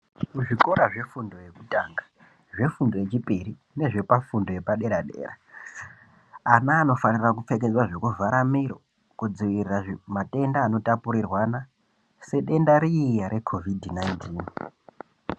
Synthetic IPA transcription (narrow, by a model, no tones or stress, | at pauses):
kuʐiko̞ɾaʐe̞fundo̞je̞kutaːŋɡḁ | ʐe̞fundo̞jet͡ʃipʼiɾi | ne̞ʐe̞pafundo̞je̞paɗe̞ɾaɗḛːra | anaːno̞fanirak̬up͡fe̞k̬e̞d͡zwaʐo̞kuvʱaɾamiɾo̞̰ | kud͡ziʋiriraʐmatʼe̞ndaːno̞tapuɾirwana | se̞ɗe̞ndaɾiijaɾe̞kʰo̞vidʱnaintiːn